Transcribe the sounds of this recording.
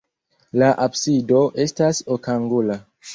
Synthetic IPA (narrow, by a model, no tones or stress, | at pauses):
laʔabsido̞ʔe̞stasokaŋɡula